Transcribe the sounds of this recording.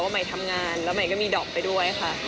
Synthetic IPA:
waː˥˩ma˨˦jt̪ʰa˧mŋaː˧nlɛː˦˥ma˨˩˦jkɔː˥˩miː˧dɔː˨˩k̚pa˧jdu˥˩əja˩xʰa˦˥ʔ

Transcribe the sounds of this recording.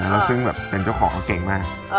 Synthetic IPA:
a˦˥lɛː˦˥wsɯ˥˩ŋbɛː˨˩pːe˧nt͡ɕa˥˩wkʰɔː˩˦ŋ˦˩ke˨˩ŋmaː˥˩k̚

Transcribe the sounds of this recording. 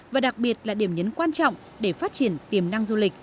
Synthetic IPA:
vaː˨˩ɗa˨˩k̚ɓi˨˩ət̚laː˨˩ɗi˧˩əmɲə˨˦nkwaː˧nt͡ɕɔ̰˧˨wŋ͡m | ɗe˧˩faː˦˥t̚t͡ɕi˧˩ənt̪i˨˩əmna˧ŋzu˧li˨˩k̚

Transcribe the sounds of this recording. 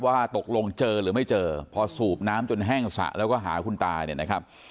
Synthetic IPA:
waː˥˩t̪o˨˩k̚lo˧ŋt͡ɕɤː˧ɾɯː˩˦ma˥˩jt͡ɕɤː˧pʰɔ˧suː˨˩p̚naː˦˥mt͡ɕo˧nɦɛː˥˩ŋsa̰˨˩ʔlʔɛː˦˥wkɔː˥˩ɦa̰ː˩˦kʰu˧nt̪aː˧nḭ˨˥˩na˦kʰa˦˥p̚

